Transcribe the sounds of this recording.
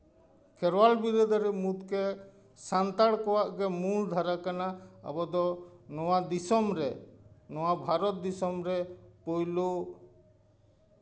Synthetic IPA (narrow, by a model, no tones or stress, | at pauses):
kʰɛɾwalbiɾɔd̪ɔɾɛmud̪kɛ | sant̪aɽkɔwaʔɡɛmuɭd̪ʱaɾakanaa̰bɔd̪ɔnɔwad̪isɔmɾɛnɔwabʱaɾɔt̪̚d̪isɔmɾɛpojlu